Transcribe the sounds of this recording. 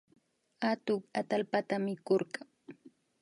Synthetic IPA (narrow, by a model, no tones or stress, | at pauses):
at̪ʊkat̪alpat̪amɪkoɾɢaŋ